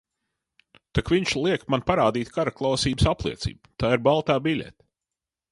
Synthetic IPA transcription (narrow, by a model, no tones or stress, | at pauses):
t̪akviɲʃlˠiɛkmanpaɾaːd̪iːt̪kaɾaklˠawsiːbsaplˠiɛt̪sḭːbut̪aːiɾbalˠt̪aːbilʲḛt̪